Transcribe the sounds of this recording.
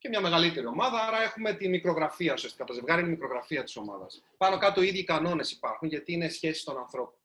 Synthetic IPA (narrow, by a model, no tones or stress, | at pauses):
cemɲɐme̞ɣɐlit̪e̞ɾio̞mɐðɐɐɾɐe̞xume̞t̪inmikɾo̞ɣɾɐfiɐusiɐst̪ikɐt̪ɐze̞vɣɐɾiinmikɾoɣɾɐfiɐt̪i̥so̞mɐ̰ðɐ̰s | pɐno̞kɐt̪o̞iðʝikɐno̞ne̞si̥pɐɾxuɲʝɐt̪iine̞sçe̞sist̪o̞nɐnθɾo̞pon